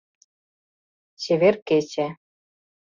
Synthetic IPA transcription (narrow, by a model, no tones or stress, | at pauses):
t͡ɕeβʲerket͡ɕe